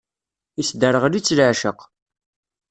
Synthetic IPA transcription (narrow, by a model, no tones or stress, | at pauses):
isd̪əɾəʁlit͡sːləʕʃəq